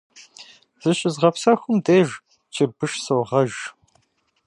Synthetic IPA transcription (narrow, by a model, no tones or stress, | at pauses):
z̥ɨɕʼɪzʁɐpsɐxʷʊmdeːʒ | t͡ʃʰɪrbɨʃsowʁɐʒ